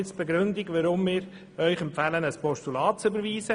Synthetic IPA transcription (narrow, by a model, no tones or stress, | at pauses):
ɪt͡sb̥eɡɾʏnd̪ɪɡʋəɾʊmːɪːɾ | œʏχɛmpfælənəspɔʃtulɑːt̚t͡sʏbəɾʋiːsə